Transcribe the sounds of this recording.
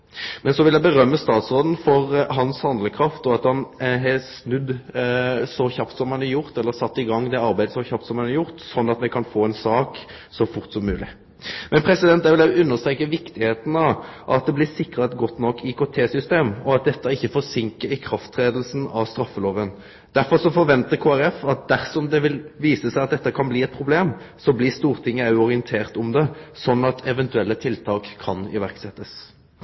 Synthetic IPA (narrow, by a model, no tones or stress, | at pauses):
mɛnsɔʋɪljæɪbəɾœmːəst̪ɑːt̪sɾoːd̪n̩fɔɾɦɑnshɑnd̪ləkʰɾɑft̪ɔɑt̪hɑnɦɛsnʉd̪ | sɔçɑpt̪sɔmhɑnɑɾjʊʁt̪ɛlːəɾsɑt̪ːɪɡɑŋːd̪ɛɑɾbæɪd̪əsɔçɑp̚t̪sɔmhɑnɑɾjʊʁt̪sɔnːɑt̪mɛkʰɑnfoːɛːnsɑːk | sɔfʊɾt̪sɔmːʉːlɪ̰ | mɛnpʰɾɛsɪd̪ɛnt̪ːæʋɪlæʉnːəst̪ɾeːkːəʋɪkt̪ɪheːt̪n̩ɑʔɑ̰t̪̚d̪ɛblɪsɪkʁɑt̪ɡɔt̪ːnɔkːikʰoːt̪ʰeːsʏst̪eːmɔɑt̪̚d̪ɛt̪ːɑɪçːəfɔsɪŋkəɾɪkʰɾɑft̪ʰːʁeːd̪l̩snɑʋst̪ɾɑfːəloːʋən | d̪̥æɾfɔʁsɔfɔɾʋɛnt̪əɾkʰoːæʁɛfɑt̪̚d̪æʁsɔmd̪ɛʋɪlʋiːsəsæɪɑt̪̚d̪ɛt̪ːəkʰɑnbliːɛt̪̚pʰʁʊbleːm | sɔblɪst̪uːʁt̪ʰɪŋːəɑʉɔʁɪənt̪ʰeːʁt̪ʊmd̪ɛsɔnːɑt̪ʰɛʋɛnt̪ʉɛlːət̪ʰɪlt̪ʰɑːkʰːɑnɪ̰ʋæʁksɛt̪ːəs